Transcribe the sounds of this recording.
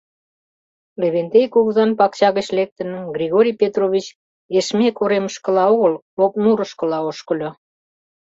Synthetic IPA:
leβent̪ejkuɣzɑnpɑkt͡ɕɑɣət͡ɕlek̚t̪ə̆nəmɡrʲiɣoɾʲijpʲet̪roβʲit͡ɕ | eʃmekoɾeməʃkə̆lɑoɣəl | ok̚nuɾə̆ʃkə̆lɑoʃkə̆lʲo

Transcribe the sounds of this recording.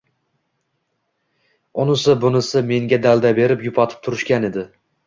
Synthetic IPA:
ʊnɪsɪbʊnɪsɪme̞ŋɡʲad̪alˠd̪abe̞ɾɪpjʊpʰɒt̪ʰɪ̥p̚t̪ʰʊɾɪʃkʲane̞d̪ɪ

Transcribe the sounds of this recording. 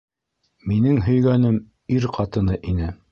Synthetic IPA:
minɘŋɦɵ̆jɡænɘm | iɾqʰɑt̪ɤ̆nɤʔinɘ

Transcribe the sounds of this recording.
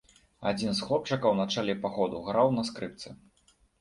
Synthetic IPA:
a̰d͡zʲinsxlˠɔp̚t͡ʂɐkɐwnat͡ʂalʲɛpaɣɔd̪uɣɾawnɐskɾɨp̚t̪sɨ

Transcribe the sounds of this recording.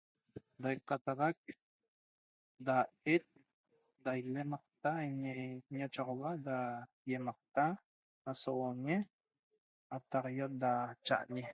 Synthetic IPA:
d̪ajqɑt̪ɑʁɑk̚ | d̪aet̪̚ | d̪ajlemɑq̚t̪aeɲeɲat͡ʃaʁɑβad̪a | jemɑq̚t̪a | asoʔoɲe | at̪ɑʁjot̪̚d̪at͡ʃa̰ʔɲe

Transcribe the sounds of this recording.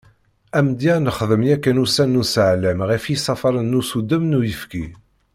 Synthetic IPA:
æmd̪iænəχðəmjækːænusænːusəʕlæmʁifjisˤɑfɑɾˤənːusud̪əmnujəfki

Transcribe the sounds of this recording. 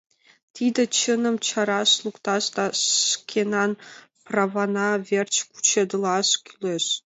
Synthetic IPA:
t̪ʰid̪ət͡ɕʰənə̆mt͡ɕʰɑɾɑʃlˠukt̪ɑʃt̪ɑʃkʲʰenɑn | prɑvɑnɑvʲert͡ɕku̥t͡ɕʰed̪ɨlˠɑʃkʰʲyleʃ

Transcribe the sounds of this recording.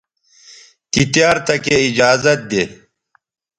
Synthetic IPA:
k̪it̪jaːɾt̪ɐkeid͡ʑaːzɐt̪̚d̪eː

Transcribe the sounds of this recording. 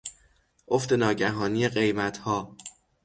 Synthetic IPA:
ʔoft̪e̞nɒːɟæɦɒːniːje̞ɢe̞jmæt̪ʰhɒː

